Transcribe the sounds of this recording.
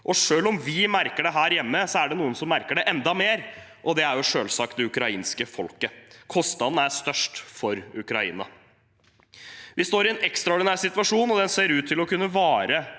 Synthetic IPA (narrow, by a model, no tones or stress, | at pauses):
ʔɔʂøːlɔmʋɪmæɾkəɖɛɦæːɾjɛmːəsɔæɖɛnuːənsɔmːæɾkəɖɛʔɛnd̪ɑmeːɾ | ʔɔd̪ɛæɾjʊʂøːlsɑk̚t̪̚d̪ɛʉkɾɑiːnskəfɔlkəkʰɔst̪ɑd̪n̩æst̪œʂʈfɔɾʉkɾɑḭːnɑ̰ | ʋɪst̪oːɾɪɛnɛkst̪ɾɑɔɖɪnæːsɪt̪ʋɑʂuːnɔd̪ɛnseːɾʉːt̪ʰːɪlɔkʰʉnːəʋɑːɾə